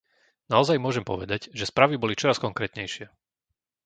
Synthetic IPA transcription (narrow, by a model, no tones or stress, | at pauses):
naɔzajmʊɔʒɛmpɔ̰ʋɛd̪aɟʒɛspɾaːʋibɔlit͡ʃɔɾaskɔŋkɾɛːt̪ɲɛjʃɪɛ